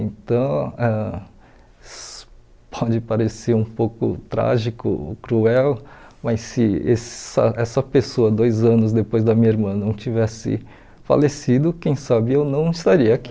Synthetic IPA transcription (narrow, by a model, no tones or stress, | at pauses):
ẽnt̪ɐ̃w̃ɛ | sʊ̥ | pʰɔd͡ʒɪpaɾeseɾũpowkʊ̰t̪ɾa̰ʒikʊ̰kɾuɛwmɐjsːɪeɐ̰ʔɛsɐpesoɐd̪ojzɐ̃nʊzd̪epojzd̪ɐmĩɲɐiɾmɐ̃nɐ̃w̃t͡ʃivɛsɪ̰ | fa̰lesid̪ʊkẽj̃sabɪewnɐ̃w̃ist̪aɾiɐaki